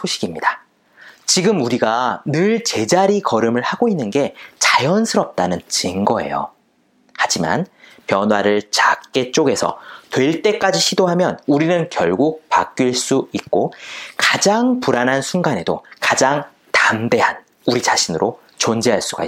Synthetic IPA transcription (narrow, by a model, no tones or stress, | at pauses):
sʰoɕʰiɡimɲida | t͡ɕiɡɯmuɾiɡanɯɭt͡ɕe̞d͡ʑaɾikʌɾɯmɯɭhaɡoinːɯnɡe̞t͡ɕajʌnsʰɯɾʌp̚t͈anɯnt͡ɕɯŋɡʌe̞̰jo̰ | had͡ʑima̰n | pjʌnɦwaɾɯɭt͡ɕakk͈e̞t͡ɕ͈oɡe̞sʰʌ̰twe̞ɭt͈e̞k͈ad͡ʑiɕʰidoɦamjʌnuɾinɯnkjʌɭɡuk̚pa̰k̚k͈ɥiɭs͈uik̚k͈okad͡ʑaŋpuɾanɦansʰuŋɡane̞do̰kad͡ʑaŋ | tamde̞ɦan | uɾit͡ɕaɕʰinɯɾʔo | t͡ɕond͡ʑeɦaɭs͈uɡa̰i